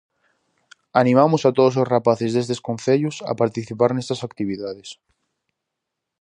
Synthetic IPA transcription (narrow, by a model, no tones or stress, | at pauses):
anĩmamʊsat̪oð̞os̬osrapaθezðest̪eskõnθeʎʊsa̰paɾt̪iθipaɾnest̪asakt̪iβiðaðes